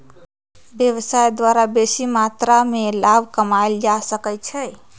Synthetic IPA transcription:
bjeβsajd̪waɾabesimat̪ɾamelabʱkəmaeld͡ʒasəkɛt͡ʃʰɛj

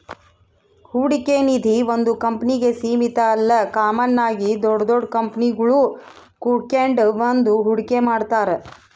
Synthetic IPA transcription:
huɽikenid̪ʱiʋond̪ukɐmpniɡe̞siːmit̪ɐːlːɐkaːmɐnːaːɡid̪ɔɖɐd̪ɔɽkɐmpniɡɐɭukukeɳɖʋɐnd̪uɦuɽikemaːɖt̪aːɾe

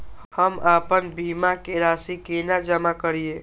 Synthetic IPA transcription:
həmaːpənbimakeɾaːsikenad͡ʒəmakəɾie

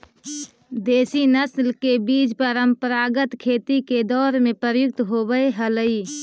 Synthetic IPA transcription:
d̪eːsinəslkebiːd͡ʒpəɾəmpəɾaːɡət̪kʰeːt̪iked̪ɔːɾmẽpɾəɾjʊk̚t̪ɦobəeɦələi

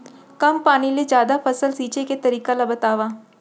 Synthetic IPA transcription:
kɐmpaːniled͡ʒjaːd̪afɐsəlsiːt͡ʃeket̪ɐɾiːkalabɐt̪aːʋaː

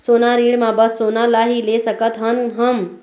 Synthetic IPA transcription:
soːnaɾiːɽmãbəsːoːnalaɦilesəkət̪ɦənɦəm

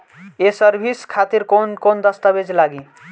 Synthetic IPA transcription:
esəɾbʱiskʰat̪iɾkonkond̪ʌst̪əbed͡ʒlaɡi

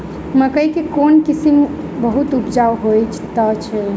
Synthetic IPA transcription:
məkəikekonkisim | bəɦut̪upd͡ʒaʋɦojt͡ʃʰt̪ət͡ʃʰɛ

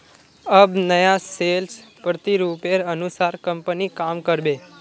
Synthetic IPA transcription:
əbnəjaselspɾət̪iɾupeɾənusaɾkəmpənikamkəɾbe

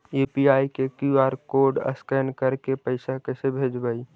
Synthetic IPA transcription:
eːpiaːikekjuaːɾkoːɾɖə̰skɛnkəɾkepəɪsakəɪsebʱeːd͡ʒbəi

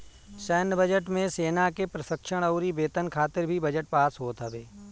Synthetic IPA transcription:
sɛːnbəd͡ʒəʈmẽseːnakepɾɐsəkʃəɽ̃əʊɾibeːt̪ənkʰaːt̪ɪɾbʱibəd͡ʒəʈ̚paːsɦoːt̪ɦəʋeː

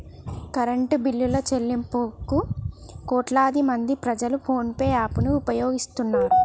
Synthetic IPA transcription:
kɐɾɐɳʈubilːulɐːt͡ʃelːimpoːkukɔːʈlaːd̪imɐnd̪ipɾɐd͡ʒɐlupʰo̞ːnpeːaːpunuːpɐjo̞ːɡist̪unːaːɾu

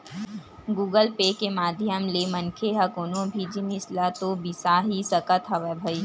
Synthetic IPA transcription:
ɡuːɡəlpekemaːd̪ʱjəmlemənkʰeɦɐkoːnõbʱid͡ʒinɪslat̪obɪsaɦisəkət̪ɦɐʋebʱɐiː

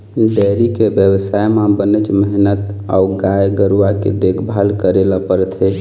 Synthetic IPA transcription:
ɖɛɾikebjəwəsajmabənət͡ʃməɦinət̪ | a̰uɡajɡəɾuakḛd̪ekʰbʱalkəɾeləpəɾət̪ʰɦɛ

